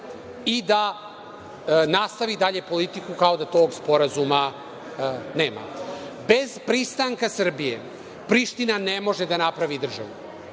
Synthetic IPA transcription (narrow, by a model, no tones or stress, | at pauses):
id̪a | nast̪aʋid̪aʎepo̞lit̪ikukao̞d̪at̪o̞ːɡspo̞ɾazuma | neːma̰ | be̞zpɾist̪aŋkasr̩bijḛ | pɾiʃt̪inanemo̞ʒed̪anapɾaʋid̪r̩ʒa̰ʋṵ